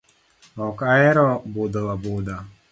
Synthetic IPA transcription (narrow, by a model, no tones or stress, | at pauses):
ɔkaɛɾɔbod̪ɔwabod̪a